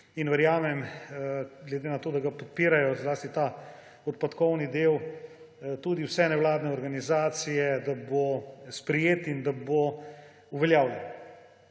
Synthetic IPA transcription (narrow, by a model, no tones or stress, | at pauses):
inʋɛɾjaːmɛm | ɡlɛd̪enat̪oːd̪aɡapɔt̪̚piːɾajɔzlaːst̪it̪a | ɔt̪̚pat̪kɔwnid̪ew | t̪uːd̪iwsɛnɛwlaːd̪nɛɔɾɡanizaːt̪sijɛd̪abospɾɛjeːt̪ind̪abo | uʋɛljaːwlʲjɛn